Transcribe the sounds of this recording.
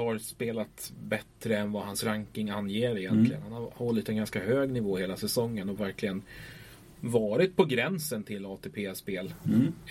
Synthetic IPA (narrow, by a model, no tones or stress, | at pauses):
haɾspeːlat̪bɛt̪ɾəɛnvahansɾaŋkɪŋanːjeːɾɪjɛntt̪lɪɡə̰nhanhahɔlːɪt̪ɛnɡanskahøːɡnɪvoːheːlasɛsɔŋːənɔvæɾklɪɡən | vɑːɾɪt̪̚pʰɔɡɾɛnsənt̪ʰɪlɑːt̪ʰepʰeːspeːl